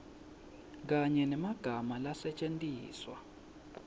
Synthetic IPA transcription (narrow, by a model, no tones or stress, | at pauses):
k̬aɲɛnɛmaɡ̥ʱamalasɛt͡ʃʼentʼiːswa̰